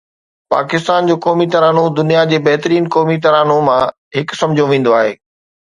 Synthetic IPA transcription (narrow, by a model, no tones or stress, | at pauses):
pa̰ːkɪst̪aːnd͡ʑoːkɔːmit̪ɐɾaːnod̪ʊnijad͡ʑeːbɐɦt̪ɾiːnkɔːmit̪̬ɐɾaːnomã | ɦɪksɐ̃md͡ʑʱijoʋẽːn̆d̪oaːɦeː